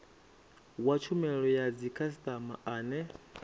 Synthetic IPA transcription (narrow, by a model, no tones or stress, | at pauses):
wat͡ʃʰumɛɺɔjad͡zikʰas̬t̪ʼama̰aːnɛ